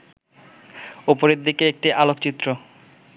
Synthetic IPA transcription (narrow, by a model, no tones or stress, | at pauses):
opoɾeɾd̪ikeek̚ʈiʔalokt͡ɕit̪ːɾo